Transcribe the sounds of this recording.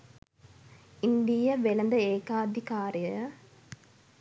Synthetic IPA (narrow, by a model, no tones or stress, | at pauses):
ind̪ijəʋelɐnd̪əeːkaːd̪ʱikaːrjəjə